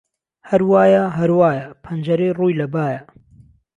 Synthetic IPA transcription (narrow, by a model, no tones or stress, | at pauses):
hɐɾwaːjaɦɐɾwaːjapʰɐnd͡ʒɐɾeːruːjlɐbaːja